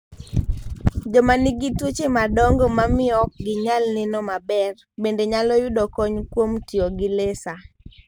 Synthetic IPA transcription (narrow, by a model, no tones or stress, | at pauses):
d͡ʒɔmaniɡitwot͡ʃemadɔŋɡɔmamɪɔk̚ɡɪɲalnɪnɔmabɛr | bendeɲalɔjʊdɔkɔɲkwomtioɡɪlesa